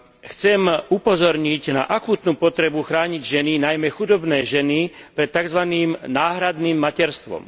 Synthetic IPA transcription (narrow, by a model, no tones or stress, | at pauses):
xt͡sɛmupɔzɔɾɲiɟna̰ʔakuːt̪nuːpɔt̪ɾɛbuxɾaːɲiɟʒɛninajmɛxud̪ɔbnɛːʒɛni | pɾɛt̪ːaɡzʋaniːmnaːɦɾad̪niːmːacɛɾst̪ʋɔ̰m